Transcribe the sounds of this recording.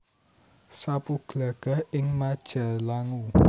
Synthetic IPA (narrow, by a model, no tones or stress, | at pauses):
sapuɡ̥laɡ̥a̤hɪŋmad̥ʒ̥a̤laŋu